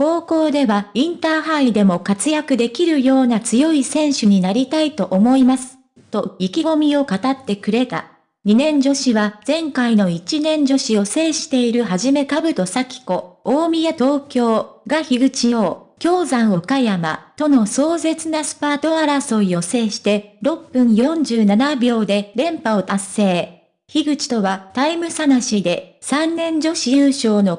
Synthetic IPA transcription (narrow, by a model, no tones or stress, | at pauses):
ko̞ːko̞ːd̪e̞βaĩnt̪aːɦaid̪e̞mo̞kat͡sɨjakɯ̟d̪e̞kʲiɾɯ̟jo̞ːnat͡sɨjo̞isẽ̞ɰ̃ɕɨɲ̟inaɾʲit̪ait̪o̞ʔomo̞imasɨ̥ | t̪o̞ikʲiɡo̞mʲio̞kat̪at̪ːe̞kɯ̟ɾe̞t̪a̰ | ɲ̟inẽ̞ɲ̟d͡ʑo̞ɕiβaz̥ẽ̞ŋkaino̞it͡ɕinẽ̞ɲ̟d͡ʑo̞ɕijo̞se̞ːɕi̥t̪e̞iɾɯ̟ɦaʑime̞kabɯ̟t̪o̞sakʲi̥ko̞oːmʲijat̪o̞ːkʲo̞ːɡaçiɡɯ̟t͡ɕijo̞ːkʲo̞ːzãɰ̃o̞kajama̰t̪o̞no̞so̞ːze̞t͡sɨnasɨ̥paːt̪o̞aɾaso̞jo̞se̞ːɕi̥t̪e̞ɾo̞pːɯ̟̃ɰ̃jõɲ̟d͡ʑɨːnanabʲo̞ːd̪e̞ɾẽ̞mpao̞t̪asːe̞ː | çiɡɯ̟t͡ɕi̥t̪o̞βat̪aimɯ̟sanaɕid̪e̞sãnːẽ̞ɲ̟d͡ʑo̞ɕiɯːɕo̞ːno̞